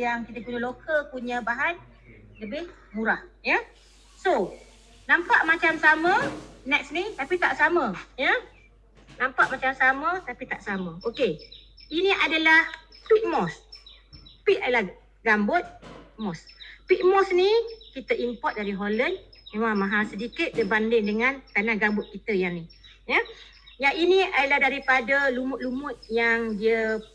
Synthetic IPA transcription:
jaŋkit̪əkuɲə̃lokəkuɲə̃baɦan | ləbɪh | muɾahjə | so | nãmpaʔmat͡ʃamsamə̃nɛk̚snit̪apit̪aʔsamə̃jə | nãmpaʔmat͡ʃamsamət̪apit̪aʔsamə̃ʔoke | inĩʔadalahpiʔ̚mɔs | piʔadala | ɡambʊt̪̚pmɔspiʔ̚mɔsnikit̪əʔimpɔt̪̚daɾiɦolənmemãmãɦasədikɪt̪̚dəbandɪŋdəŋãnt̪anaɡambʊt̪̚kit̪əjaŋni | jə | jaŋiniʔadalaɦdaɾipadəlumʊʔ̪̚lumʊt̪̚jaŋdiə

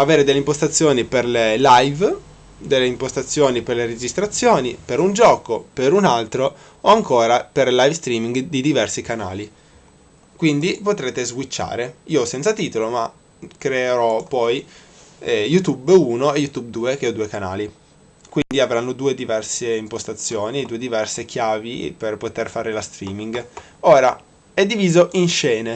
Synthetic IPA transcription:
aveːɾed̪elːeimpost̪at̪sːjoːniperlelajv | d̪elːeimpost̪at̪sːjoːniperleɾed͡ʒist̪ɾat̪sːjoːnipeɾund͡ʒɔːkopeɾunalt̪ɾo | oaŋkoːɾaperlajvst̪ɾiːmiŋɡd̪id̪ivɛrsikana̰ːli | kwind̪ipot̪ɾeːt̪ezɡwit͡ʃːa̰ːɾeiːosɛnt̪sat̪iːt̪oloma | kɾeeɾɔpɔj | ɛjut̪ubuːnoejut̪ub̚d̪uːekeɔd̪uːekana̰ːli | kwind̪iavɾanːod̪uːed̪ivɛrseimpost̪at̪sːjoːnid̪uːed̪ivɛrsek̟jaːviperpot̪erfaːɾelast̪ɾiːmiŋɡ | oːɾa | ɛd̪ːiviːzoʔinʃɛːne

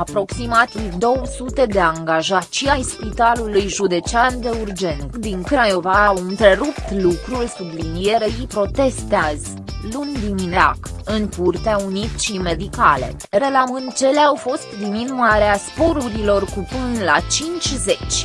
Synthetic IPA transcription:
apɾo̞ksimat̪ivd̪o̞wəsut̪e̞d̪e̞aŋɡaʒat͡ʃiajspit̪alulujʒud̪e̞t͡ʃeand̪e̞urd͡ʒe̞nd̪iŋkɾajovawɨnt̪ɾe̞ɾupt̪lukɾulʲsublinije̞ɾeipɾo̞t̪e̞st̪eazʲ | lund̪iminea̰kɨŋkurt̪eaunit̪t͡ʃime̞d̪ikale̞̰ | re̞lamɨnd̪t͡ʃe̞leawfo̞st̪d̪iminuaɾeaspo̞ɾuɾilo̞rkupɨnlat͡ʃint͡ʃʲze̞t͡ʃʲ

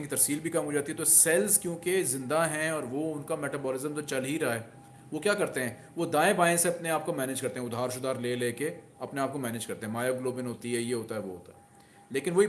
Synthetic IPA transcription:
kit̪ɐɾsiːlbʱikɐmɦoːd͡ʒaːt̪iɦɛt̪osɛlskjõːkezɪ̃nd̪aɦɛ̃ɔːɾʋoʊnkamɛːʈaːbɔːlɪzəmt̪ot͡ʃɐlɦiɾaɦaɛː | ʋokjaːkɐɾt̪eɦɛ̃ː | ʋod̪aːẽbaːjẽseɐpneaːp̚komɛːned͡ʒkɐɾt̪ẽɦɛ̃ʊd̪ʱaːɾʃʊd̪aːɾleːleːke | ɐpneaːp̚komɛːneːd͡ʒkɐɾt̪ẽɦɛ̃maːjoɡloːbɪnɦoːt̪iɦɛjeɦoːt̪aɦɛʋo̰ɦo̰ːt̪aɦɛ | leːkɪnʋoi

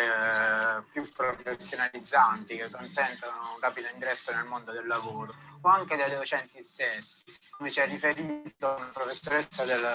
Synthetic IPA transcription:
pjupːɾofesːjonalid̪zːant̪ikekːonsɛnt̪anounraːpid̪oiŋɡɾɛsːonelmond̪od̪elːavoːɾooaŋk̟ed̪ed̪ot͡ʃɛnt̪ist̪esːi | nvet͡ʃɛrːifeɾiːt̪ounpɾofesːoɾesːad̪el

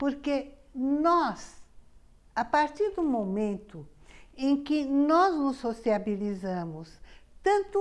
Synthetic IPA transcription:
poɾke | nɔs | apaɾt̪iɾd̪ʊmomẽnt̪ʊẽkɪnɔznʊsːosiabilizɐ̃mʊst̪ɐ̃nt̪ʊ

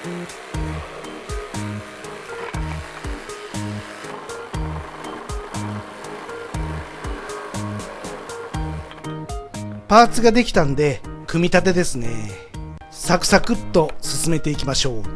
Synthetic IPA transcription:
paːt͡sɨɡad̪e̞kʲi̥t̪ãnod̪e̞kɯ̟mʲit̪at̪e̞d̪e̞sɨne̞ | sakɯ̟̥sakɯ̟t̪ːo̞sɨsɨme̞t̪e̞ikʲimaɕo̞ː

